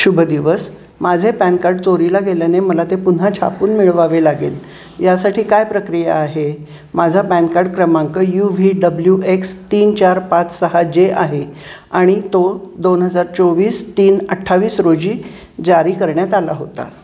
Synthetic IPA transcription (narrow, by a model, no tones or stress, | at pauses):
ɕubʱəd̪iʋəs | mad͡zʱepɛ̃nkaɾɖt͡soɾilaɡeljaneməlat̪epun̤at͡ɕʰa̰puːnmiɭʋaʋelaɡḛːl | jasaʈiːkajpɾəkɾijaːɦe | mad͡zʱapɛ̃nkaɾɖkɾəmaŋkəjuʋiːɖəbljuekst̪iːnt͡ɕaɾpat͡ssəɦad͡ʑeaɦe | aɽ̃it̪od̪onɦəd͡zaɾt͡soʋiːst̪iːnəʈʰːaʋiːsɾod͡ʑiː | d͡ʑaɾiːkəɾɳjat̪alaɦot̪a̰